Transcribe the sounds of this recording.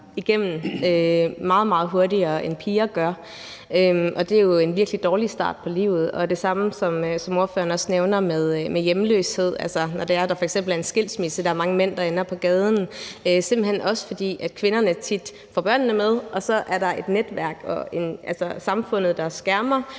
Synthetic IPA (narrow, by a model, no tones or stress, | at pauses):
iɡ̥em̰n̩ømɑ̈ːð̞̩ˠmɑ̈ːð̞̩ˠɦo̝ɐdiɐenpʰiːɐɡ̥ɶɐ | øʔɒ̽d̥e̝jo̝e̝nʋiɐɡ̥lid̥ɒːlisd̥ɑ̰̈ːd̥̚pʰɒ̽lḭːʊ̰ð̞̩ˠɒ̽d̥e̝sɑ̈məsɒ̽msɒ̽mo̝ɐfø̰ːɐnɒ̽sneʊnɐmeð̞ˠmejemlø̰ːshe̝ð̞̰ˠælsɐnɒd̥e̝æɐd̥ɑ̈fɒeɡ̥sem̰b̥l̩æɐe̝nsɡ̥e̝l̰smisəd̥ɑ̈æɐmɑ̈ŋəmen̰d̥ɑ̈enɐpʰɒ̽ɡ̥ɛːð̞ˠn̩øsem̰b̥l̩henʔɒ̽sə̥fɒ̽d̥ḭːæd̥̚kʰʋe̝nɐnət͡sʰid̥ | fɒb̥ɶɐ̰nːəmeð̞ˠʔɒ̽sɒ̽ʔæɐɾɑ̈ʔe̝d̥ned̥ʋæɐ̰ɡ̥ɒe̝nʔælsɐsɑ̈mfɔ̽n̰ð̞̩ˠd̥ɑ̈sɡ̥æɐmɐ